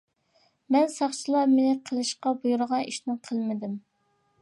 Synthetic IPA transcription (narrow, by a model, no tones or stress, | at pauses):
mɛnsɑχt͡ʃʰilˠɑmenɪqʰəlˠɨʃqɑbujuɾəʁɑniʃnɪqʰəlˠmɪd̪ɪm